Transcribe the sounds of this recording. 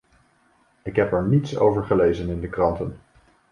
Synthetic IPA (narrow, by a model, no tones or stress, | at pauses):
ɪkɦɛpɛɹnitso̰wvəɹχəlejzənɪndəkrɑntən